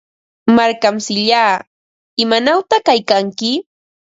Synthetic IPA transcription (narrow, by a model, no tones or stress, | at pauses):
maɾkamsɪʎaː | ɪmanawt̪aχkajkaŋkɪ